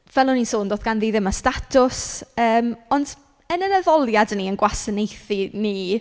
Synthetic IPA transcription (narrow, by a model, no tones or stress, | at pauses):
vɛlˠʊnisoːndoːθɡanðiːðɪmastatʰʊsəːmɔnd̥ | ənənəðɔlˠjadniənɡwasənejθini